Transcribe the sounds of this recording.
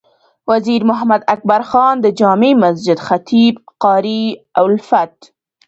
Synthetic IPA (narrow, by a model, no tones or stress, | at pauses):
waziɾmʊɦamad̪ak̚baɾxɑnd̪əd͡ʒɑːmemas̬d͡ʒɪd̪xat̪ʰibqɑɾiawlfat̪